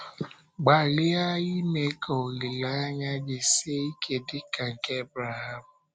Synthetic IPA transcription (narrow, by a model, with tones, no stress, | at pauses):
ɡ͡ba˨li˦a˦i˦me˦kʰo˨li˨la˦ɲa˦d͡ʒɪ˨se˦i˦kʰe˨dɪ˦ka˨ŋ̩˨ke˦bɾa˨ha˨mʊ˨